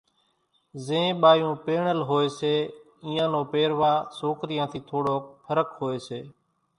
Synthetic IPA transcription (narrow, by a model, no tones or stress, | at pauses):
zẽːɓaːjũːpeːɳəlɦoːeːseː | ĩːãːnoːpeːɾʋaːsoːkɾɪjãːt̪ʰiːt̪ʰoːɽoːpʰəɾəkɦoːeːseː